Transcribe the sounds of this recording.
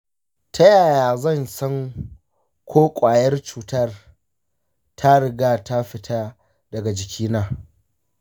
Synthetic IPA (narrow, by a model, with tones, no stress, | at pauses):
tʰa˦jaː˨jaː˨zɐ˦˨nsɐ˦ŋ | kʷʰoː˦kʷʼaː˨jɐ˦rt͡ʃuː˨tɐ˦r | tʰa˦ɽɪ˨ɡaː˦ta˦ɸɪ˨tʰa˦ | dɐ˨ɡa˨d͡ʒɪ˨kʲiː˦naː˦